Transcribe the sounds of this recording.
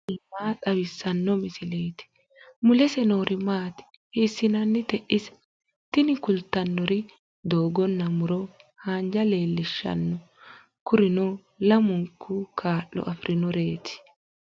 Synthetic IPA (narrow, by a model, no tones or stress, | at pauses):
ɪmaːt̪ʼɐwɪsːɐnːɔmɪsɪleːt̪ɪ̥ | mʊlɛsɛno̞ːɾʔɪmaːt̪ɪ̥ | hiːsːɪnɐnːɪt̪ɛʔɪs | t̪ɪnɪkʊlt̪ːɐnːɔɾɪ | d̪oːɡɔnːɐmʊɾɔhaːnd͡ʒɐle̞ːlːɪʃːɐ̰nːɔ | kʊɾɪnɔ | lɐmʊŋkʰːukʰaːʔːɔ̰ʔɐfɾɪnɔɾe̞ːt̪ɪ̥